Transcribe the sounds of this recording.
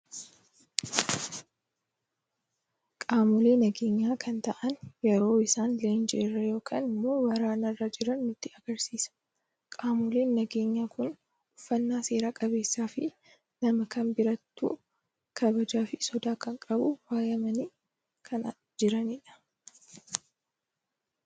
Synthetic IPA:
kʼaːmʊle̞ːnɐɡe̞ːɲːaːkʰɐnt̪ɐʔɐnjɛɾo̞ːɪsaːnleːnd͡ʒɪɪrːɐjo̞ːkʰa̰ːnɪmːo̞ːwɐɾaːnɐrːad͡ʒɪɾɐnːʊt̪ːɪɐɡ̥ɐɾsiːsɐ̥ | kʼaːmʊleːnːɐɡe̞ːɲːaːkʊn | ʊfːɐnːaːse̞ːɾaːkʼɐbe̞ːsːaːfɪ | nɐmɐkɐnbɪɾɐt̪ːṵː | kʰɐbɐd͡ʒaːfɪsɔd̪aːkɐŋkʼɐbʊwaːjɐmɐniː | kʰɐn | d͡ʒɪɾɐnɪᶑɐ̥

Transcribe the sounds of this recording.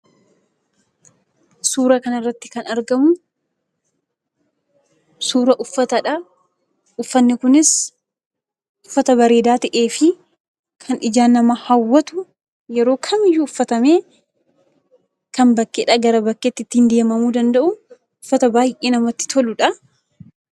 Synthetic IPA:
suːɾɐkɐnɐrːɐt̪ːɪ̥kɐnɐɾɡɐmʊ | suːɾɐʔʊfːɐt̪ɐᶑɐ | ʔʊfːɐnːɪkʊnɪs | ʔʊfːɐt̪ɐbɐɾe̞ːd̪aːt̪ɐʔeːfɪ | kʰɐnɪd͡ʒaːnːɐmɐhɐwːɐt̪ʊ | jɛɾo̞ːkʰɐmɪjːuʊfːɐt̪ɐmeː | kɐmbɐkːeᶑɐɡɐɾɐbɐkːet̪ːɪt̪ːiːnd̪e̞ːmɐmuːd̪ɐnd̪ɐʔʊ | ʊfːɐt̪ɐbaːjʔeːnɐmɐt̪ːɪ̥t̪ʰɔlʊᶑɐ

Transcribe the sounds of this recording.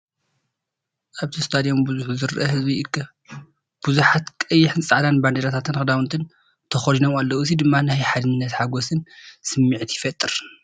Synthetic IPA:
ʔaβt̪ʰist̪ʰad̪ijo̞mbuzuħuzɨɾʔɐhɨzbiɨkʰːɐ | b̥uzuħat̪kʼɐjːɪħɨnsʼaʕd̪anband̪eɾat̪ʰat̪ʰɨnxɨd̪awnt̪ʰɨn | t̪ʰɐxolinomalːowɨzid̪ɨmːanajħad̪ɨnnːɐt̪ħaɡosɨnsɨmːiʕt̪ʰjɪfɐt̪ʼːɨɾ

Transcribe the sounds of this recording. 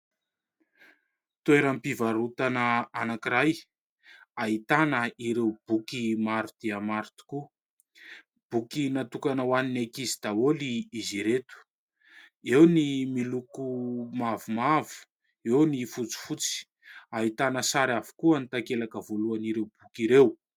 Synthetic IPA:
t̪ueɾampivaɾut̪anəanakiɾaj | aɦit̪anəiɾewb̥ukimaɾut̪eamaɾit̪u̥ku | b̥ukinat̪ukanəwaninekizid̪aoliiziɾet̪u̥ | ewnimilukumavumavu̥ | ewnifut͡si̥fut͡si̥ | aɦit̪anəsaɾavu̥kuənit̪akelakəvoluaniɾewb̥ukiɾew

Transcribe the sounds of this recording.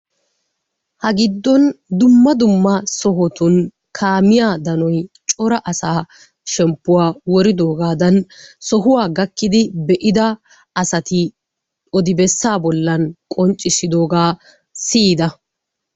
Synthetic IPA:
hɐɡɪd̪ːɔnd̪ʊmːɐd̪ʊmːɐsɔɦɔt̪ʊn | kʰaːmɪjaːd̪ɐnɔjt͡ʃʼɔɾɐʔɐsaː | ʃɛmpːʊwaːwɔɾɪd̪o̞ːɡaːd̪ɐnsɔɦʊwaːɡɐkːɪd̪ɪbɛʔɪd̪ɐ | ɐsɐt̪ɪ | ɔd̪ɪbɛsːaːbɔlːɐnkʼɔnt͡ʃʼɪsɪd̪o̞ːɡaː | siːd̪ɐ

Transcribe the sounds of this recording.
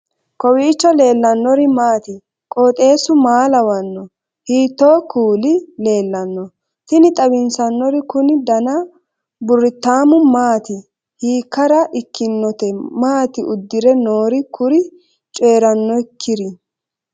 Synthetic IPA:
kɔwiːt͡ʃːɔle̞ːlːɐnːɔɾɪmaːt̪ɪ | kʼoːt̪ʼe̞ːsʊmaːlɐwɐnːɔ | hiːt̪ːo̞ːkʰuːlɪle̞ːlːɐnːɔ | t̪ɪnɪt̪ʼɐbɪnsɐnːɔɾɪkʊnɪd̪ɐnɐ | bʊɾːɪt̪ːaːmʊmaːt̪ɪ | hiːkːɐɾɐʔɪkːɪnːɔt̪ɛmaːt̪ɪʔʊd̪ːɪɾɛnoːɾɪkʰʊɾɪ | t͡ʃʼe̞ːɾɐnːɔɪkʰːɪɾɪ

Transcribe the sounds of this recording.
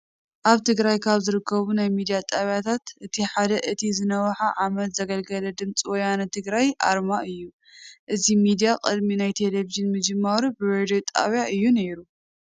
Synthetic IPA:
ʔaβt̪ʰɨɡɾajkʰaβzɨɾɨkʰːɐβunajmid̪ijat̪ʼaβjat̪ʰat̪ʔɨt̪ʰiħad̪ɐʔɨt̪ʰizɨnɐwħaʕamɐt̪zɐɡɐlɡɐlɐd̪ɨmt͡sʼiwɔjanɐt̪ʰɨɡɾajʔa̰ɾmaɨjːu | ʔɨzimid̪ijakʼɨd̪minajt̪ʰe̞leviʒɨnmɨd͡ʒɨmːɐɾubɨɾed̪ot̪ʼa̰βjaɨjːune̞ɾu

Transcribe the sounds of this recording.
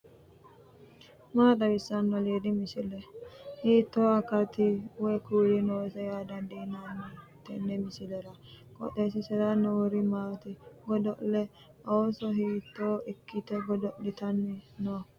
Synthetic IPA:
maːt̪ɐbɪsːɐnːɔleːd̪ɪmɪsɪlɛhiːt̪ːoːɐkːɐt̪ɪwɛkuːlɪnoːsɐjaːd̪ɐnd̪iːnanːɛt̪ːɛ̰nːɛmɪsɪlɛɾɐ | kʼɔ̰t̪ːesɪsɛɾanːɔwɔɾɪmaːt̪ɪɡɔd̪ɔʔlɛ | ʔoːsɔɦiːt̪ːoːɪkːɪt̪ɛɡɔd̪ɔʔlɪt̪ɐnːɪno

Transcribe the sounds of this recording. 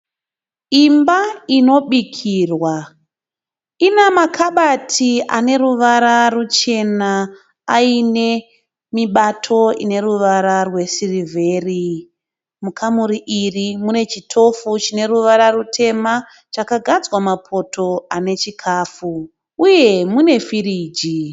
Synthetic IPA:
imbaino̞ɓikʰiːrwa | inamakʰaɓatʰia̰ne̞ɾuʋaɾarut͡ʃe̞na | aine̞ | miɓatʰo̞ine̞ɾuʋaɾarwe̞sirivʱe̞ːri | mukʰamuɾiʔirimune̞t͡ʃitʰo̞fut͡ʃine̞ruʋaɾarutʰe̞ma | t͡ʃakaɡʱad͡zwamapʰo̞tʰo̞ane̞t͡ʃikʰaːfu | uje̞mune̞fiɾiːd͡ʒi

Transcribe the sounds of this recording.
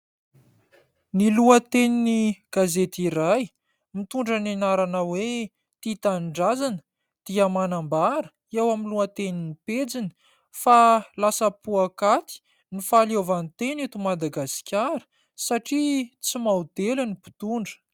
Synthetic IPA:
niluət̪eniniɡ̥azet̪iɾaj | mit̪uɳɖ͡ʐanenaɾanawe | t̪it̪anɖ͡ʐazanə̥ | d̪̥iəmanambaɾə | ewaminluət̪eniniped͡zinə̥ | falasəpuakat̪i̥ | nifaliovant̪enet̪umad̪aɡasi̥kʲaɾə̥ | saʈ͡ʂit͡simawd̪elənipi̥t̪uɳɖ͡ʐə̥

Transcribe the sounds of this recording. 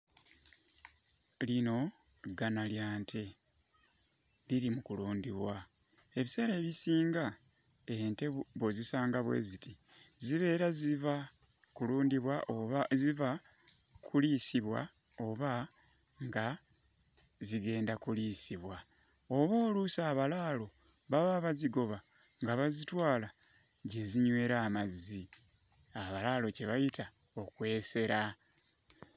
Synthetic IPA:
lino̞ | ɡanaljaːntʰe̞ | liɾimukuluːndiβwa | e̞βise̞ːɾe̞ːβisiːŋɡa | ente̞βozisaːŋɡaβwḛziti | ziβe̞ːɾaziva | kuluːndiβwaiva | kʰulisiβwa̰ | o̞βa | ŋɡa | ziɡe̞ːndakuliːsiβwa | o̞βo̞ːlusaːβalaːlo̞ | βaβaβaziɡo̞βa | ŋɡaβazitwaːla | ɟe̞ziɲwe̞ːɾaːmazːi | aβalaːlo̞ce̞βajitʰa | o̞kwe̞ːse̞ɾa

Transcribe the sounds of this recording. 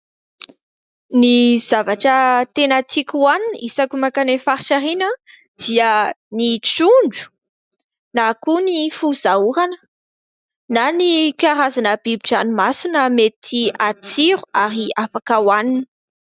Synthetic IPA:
niz̥avaʈ͡ʂət̪enat͡sikʲuwaninisakumakanefaɾiʈ͡ʂaɾinəd̪̥iənit͡suɳɖ͡ʐu̥ | nakunifuzauɾanə̥ | nanikaɾazanəbibiʈ͡ʂanimasinəmet̪ʰiat͡siɾuaɾiafakəwanini̥

